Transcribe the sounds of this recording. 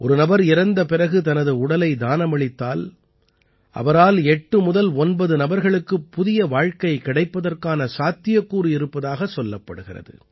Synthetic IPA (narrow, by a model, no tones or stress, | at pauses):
ʔɔɾɯnɐbɐɾɪɾɐnd̪ɐpɪɾɐɣɯt̪ɐnɐðɯʊɽɐlɐɪd̪aːnɐmɐɭɪt̪ːaːl | ʔɐ̰ʋɐɾaːlɛʈːɯmʊðɐlɔnbɐðɯnɐbɐɾɣɐɭɯkːɯpːʊðɪjɐʋaːɻkɐɪkɪɽɐɪpːɐðɐrkaːnɐsaːt̪ːɪjɐkːuːɾiɪɾɯpːɐðaːɣɐsɔlːɐpːɐ̰ɽɯɣɪrɐ̰ðɯ̰